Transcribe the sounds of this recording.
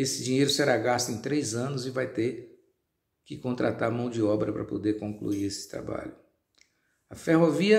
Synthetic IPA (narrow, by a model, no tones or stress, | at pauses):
esɪd͡ʒĩɲejɾʊsɛɾaɡast̪ẽt̪ɾejzɐ̃nʊzɪvajt̪eɾ | kɪkõnt̪ɾʔat̪aɾmɐ̃w̃d͡ʒɪɔbɾɐpɾɐpo̰d̪eɾkõŋklṵiɾesɪ̥t̪ɾa̰ba̰ʎʊ | ɐfeɦoviɐ